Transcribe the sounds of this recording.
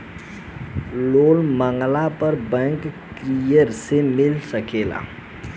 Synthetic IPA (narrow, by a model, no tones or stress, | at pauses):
lolməŋɡlapəɾbɛ̃ŋkː | ɾijəɾsemilsəkela̰